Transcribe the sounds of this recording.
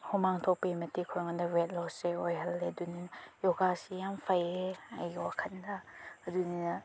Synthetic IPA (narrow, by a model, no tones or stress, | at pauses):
hɔmaŋtʰɔk̚pɐimɐtikʰɔɾɔŋɐndɐbet̚lɔseojɦɐlːeduninjɔɡasijampʰajeɐ̰jwakʰɐndɐɐduninɐ